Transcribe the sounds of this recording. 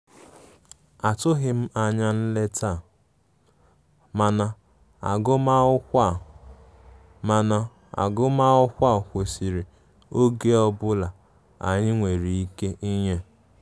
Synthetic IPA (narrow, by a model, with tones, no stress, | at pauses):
a˨tʊ˦ɦɪ˨m̩˦a˨ɲa˦n̩˦le˦tʰa˦˨ | ma˨na˨ | a̰˨ɡʊ˦ma˦ʊ˦kʷa˦˨ | a˨na˨ | a̰˨ɡʊ˦ma˦ʊ˦kʷa˦˨kʷo˨si˨ɾi˨ | o˦ɡe˦ɔ˦bʊ˦la˨ | a̰˨ɲɪ˦ŋʷe˨ɾi˨i˦ke˦ʔi˦ɲe˦